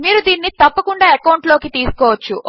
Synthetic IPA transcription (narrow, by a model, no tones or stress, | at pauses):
miːɾud̪iːnːit̪ɐpːɐkuɳɖaːɐkɐwɳʈlo̞ːkit̪iːsu̥kɔːʋɐt͡ʃːu